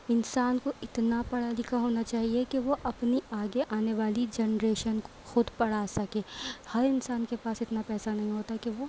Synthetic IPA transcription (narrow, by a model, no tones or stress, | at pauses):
ɪnsaːnkoʔɪt̪napɐɽ̤aːlɪkaɦoːnat͡ʃaːɦiekeʋoʔɐpniaːɡeʔaːneʋaːlid͡ʒɛnɾeːʃənkoo̥xʊd̪pɐɽ̤asɐkeːhɐɾɪnsaːnkepaːsɪt̪napɛːsanɐɦĩɦoːt̪akeʋoː